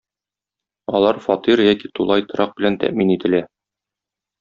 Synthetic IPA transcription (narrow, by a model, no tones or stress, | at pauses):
ɒlˠɑɾfɒt̪iɾjækit̪ulˠɑjt̪ɤ̆ɾʔɑq̚bɘ̆lænt̪æ̰ʔminit̪ɘ̆læ